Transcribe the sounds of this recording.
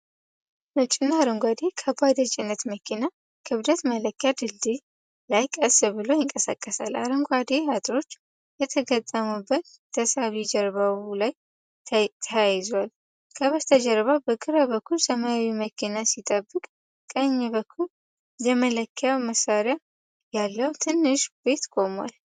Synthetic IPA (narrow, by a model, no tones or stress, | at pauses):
bət͡ʃʼɪnaɾəŋɡʷad̪e̞kʰəbad̪ət͡ʃʼɪnːət̪məkʰina | kʰɨβd̪ət̪mələkːjad̪ɨld̪i | lajkʼəsɨbɨlo̞jɪŋkʼəsa̰kʼːəsala̰ɾəŋɡʷad̪ehat̪ʼɾo̞t͡ʃː | jɛt̪ʰəɡət̪ʼːəmubːət̪ | t̪ʰəsaβid͡ʒəɾβawlaj | t̪ʰəjajɪzwal | kʰəβət̪ʰəd͡ʒəɾβawbəkʰɨɾaβəkʰːulsəmaawiməkʰinasit̪ʼəbːɨkʼ | kʼəɲːɛβəkʰːul | jɛmələkʰːjawməsaɾja | jalːəwt̪ʰɨnːɨʃbe̞t̪kʰʼo̞mwa̰l